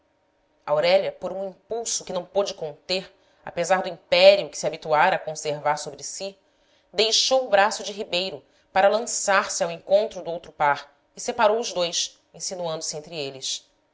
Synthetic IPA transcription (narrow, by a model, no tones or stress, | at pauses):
ɐawɾɛlɐpoɾũĩpuwsʊkɪnɐ̃w̃pod͡ʒɪkõnt̪eɾ | a̰pezaɾd̪ʊĩpɛɾiʊkɪ̥siabit̪uaɾɐːkõseɾvaɾsobɾɪsi | d̪ejʃowʊbɾasʊd͡ʒɪɦibejɾʊ | paɾɐlɐ̃saɾsɪawẽŋkõnt̪ɾʊd̪ʊowt̪ɾʊpaɾ | ɪsepaɾowʊʒd̪ojs | ẽsinuɐ̃nd̪ʊsɪẽnt̪ɾɪelɪs